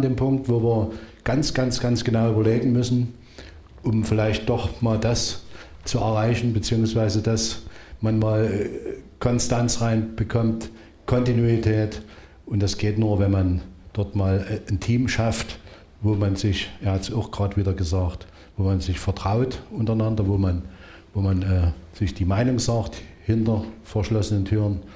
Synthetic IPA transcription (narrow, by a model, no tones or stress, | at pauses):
ndeːmpʰʊŋk̚tv̥oːviːɐɡ̥ant͡sɡ̥ant͡sɡ̥ansɡ̥ənaʊyːbɐleːɡŋ̩mʏsn̩ | ʔʊmfɪlaɪçt̚d̥ɔχmaːldast͡suɛɐʁaɪçn̩bət͡siːʊŋsv̥aɪzədasmanmaːl | kʰɔnstant͡sʁaɪnb̥əkʰɔmt | kʰɔntinuitʰɛːt | ʔʊntd̥asɡ̥eːtnuːɐvɛnmand̥ɔɐtmaːlntʰiːmʃaft | voːmanzɪçeːɐhatsaʊxɡ̥ʁaːtv̥iːdɐɡəzaːkt | voːmanzɪçfɛɐtʁ̥aʊtʔʊntɐnandɐvoːman | voːmanɛːz̥ɪçd̥iːmaɪnʊŋzaːkthɪntɐfɛɐʃlɔsənəntʰyːʁən